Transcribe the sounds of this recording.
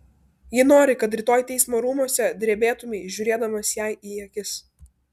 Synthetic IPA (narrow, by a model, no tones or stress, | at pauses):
jɪnoːɾʲɪkɐt̪̬ɾʲɪt̪oːjt̪ʲɛɪsmoːɾuːmuɔsʲɛd̪ʲɾʲeːbʲeːt̪ʊmʲɛɪʒʲʊɾʲeːd̪ɐmɐsjæɪʔiːjɛkʲɪs